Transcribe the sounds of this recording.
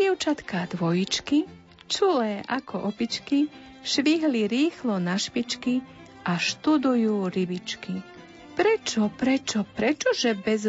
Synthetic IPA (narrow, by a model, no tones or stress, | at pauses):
ɛʊt͡ʃat̪kad̪ʋɔjit͡ʃki | t͡ʃulɛːʔakɔʔɔpit͡ʃki | ʃʋiɦliɾiːxlɔnaʃpit͡ʃki | ʔaʃt̪ud̪ujuːɾibit͡ʃki | pɾɛt͡ʃɔpɾɛt͡ʃɔpɾɛt͡ʃɔʒɛbɛz